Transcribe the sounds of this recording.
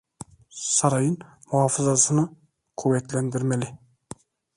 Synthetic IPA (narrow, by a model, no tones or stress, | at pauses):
sɑɾɑjən | mʊɑfəzɑsənə | kʰɵwæt̪lænd̪ɪɾmelɪ